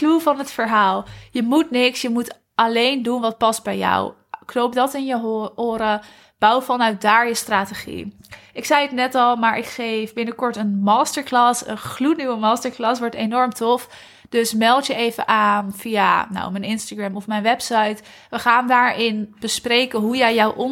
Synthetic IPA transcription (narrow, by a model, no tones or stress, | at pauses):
kluvɑnɦətfəɹɦaːlˠjəmutnɪksjəmut | ɑlejndunʋɑt̚pɑst̚bɛjɔ̰w | knowp̚dɑtɪnjəʊːɾə | b̥ʌwfɑnœɥt̚daːɹjəstraːteχḭɪksɛjətnɛtɑlˠmaːɹʔɪkχejfbɪnəkɔɹtənmɑːstəɹklaːsə̰nχlutnywəmaːstəɹklɑsʋɔɹtenɔɹmtɔf | d̥ɵsmɛlˠtjəʔejvəʔaːnfijanɔ̰wmənɪnstaɡrɛmɔfmɛjnʋɛpsɑjt | ʋəχaːndaːɹʔɪnb̥əsprejkəɦujɛjjɔwʔɔn